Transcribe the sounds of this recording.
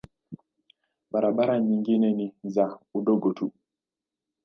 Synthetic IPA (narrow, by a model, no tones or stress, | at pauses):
ɓaɾaɓaɾaɲiŋɡinɛnizauɗɔɡɔtʰu